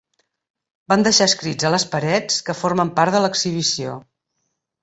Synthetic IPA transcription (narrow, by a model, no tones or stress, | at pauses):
band̪əʃaəskɾid͡zələspəɾɛt͡skəfoɾməmpaɾt̪ðələksiβ̞isio